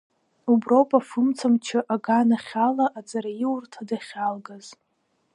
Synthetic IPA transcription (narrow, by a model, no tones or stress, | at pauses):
ubrowpʼafɨmt͡sʰamt͡ʃʰɪʔaɡanaχʲalaʔad͡zʼaɾajiwrtʰadaχʲalɡaz